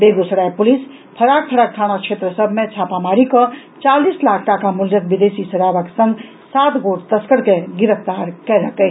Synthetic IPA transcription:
beɡusəɽajpulis | pʰəɾak̚pʰəɾaʈʰaɽ̃at͡ʃʰet̪ɾəsəbʱmet͡ʃʰapamaɾikə | t͡ʃalislakʰʈakamuljək̚bid̪esisəɾabəksə̃ŋɡ | sat̪ɡoʈt̪əskəɾkeɡiɾəpʰt̪aɾkɛɾəkə

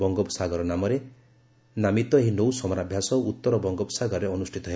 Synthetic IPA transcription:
bɔŋɡɔpsaɡɔɾɔnamɔɾe | namit̪ɔeɦinowsɔmɔɾabʱjasɔut̪ːɔɾɔbɔŋɡɔbsaɡɔɾɔɾeɔnusʈʰit̪ɔɦe

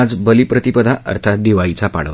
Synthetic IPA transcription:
ad͡zbəlipɾət̪ipəd̪ʱaʔə̰ɾt̪ʰat̪̚d̪iʋait͡sapa̰ɽə

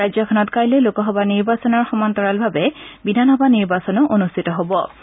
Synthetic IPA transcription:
ajzjɔkʰɔnɔtkajlɛlokɔɦɔbaniɹbasɔnɔɹxɔmantɔɹalbʱabɛbidʱanɦɔbaniɹbasɔnʊʔonustʰitɔɦobɔ

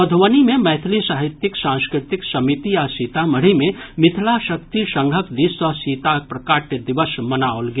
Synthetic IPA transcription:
əd̪ʱʋənimẽmɛːt̪ʰlisaːɦɪt̪jɪksãːnskɾɪt̪ɪksɐmit̪iasiːt̪aməɽ̤imẽmɪt̪ʰlaʃɐk̚t̪iʃə̃ŋɡʱəkd̪isɔsiːt̪apɾɐkaːʈjəd̪ɪʋəsmɐnaolɡ

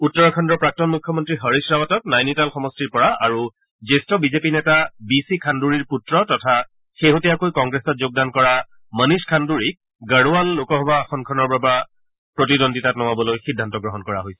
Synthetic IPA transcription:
utːɔɹɔkʰɔndɹɔpɹak̚tɔnmukʰːjɔmɔntɹiɦəɹisɹawatɔt̚najnitalxɔmɔstiɹpɔɹaʔaɹu | zestɔbizepinɛtabisikʰanduɹiɹputɹɔtɔtʰa | xeɦotɛjakojkɔŋɡɹesɔtzoɡ̚dankɔɹa | məniskʰanduɹik̚ | ɡəɹualːokɔɦɔbaːxʰɔnkʰɔnɔɹbaba | pɹotidonditatnɔwabɔlojxidʱːantɔɡɹɔɦɔnkɔɹaɦojsɛ̥

